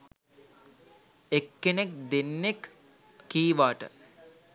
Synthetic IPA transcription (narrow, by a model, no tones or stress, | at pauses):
ekːenekd̪enːekː | iːʋaːʈə̰